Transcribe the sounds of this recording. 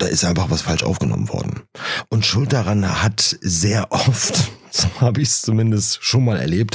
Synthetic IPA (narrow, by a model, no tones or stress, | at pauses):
d̥aːʔɪstʔaɪnfaχv̥asfalʃʔa̰ʊfɡ̥ənɔ̰mənv̥ɔ̰ɐdn̩ʔʊntʃʊlt̚d̥aʁanhatzeːɐʔɔftz̥oːhaːbəɪçst͡sumɪndəstʃoːnmaːlɛ̰ɐleːp̚t